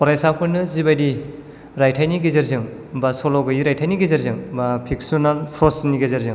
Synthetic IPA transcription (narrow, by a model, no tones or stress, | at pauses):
pɔɾajsakʰɯnɯzibajdi | ɾajtʰajniɡezeɾzɯŋ | basɔlɔɡɯjiɾajtʰajniɡezeɾzɯŋbapʰik̚sunanpʰɾɔsniɡezeɾzɯŋ